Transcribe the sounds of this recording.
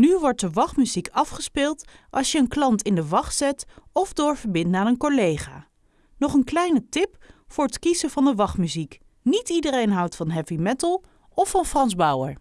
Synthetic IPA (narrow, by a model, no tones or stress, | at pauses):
nyʋɔɹt̚dəʋɑχmyzikɑfχəspɪːlˠt | ʔɑ̰lˠsjəənklɑntɪndəʋɑχtsɛtɔvdʊːɹvəɹbɪndaːnənkolejχa̰ː | nɔχənklɛjnətɪpfʊːɹətkizəvɑndəʋɑχmyzik | nitidərejnɦʌwtfɑnɦɛpimɛtlˠ | ɔfɑnfrɑnzbʌwə̰ɹ